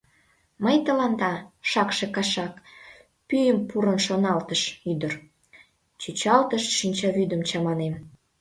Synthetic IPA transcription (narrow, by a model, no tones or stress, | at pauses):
məjt̪əlɑnd̪ɑʃɑkʃekɑʃɑk | pyjəmpuɾənʃonɑlt̪əʃyd̪ər | t͡ɕyt͡ɕɑlt̪əʃʃinʲt͡ɕɑβyd̪əmt͡ɕɑmɑnem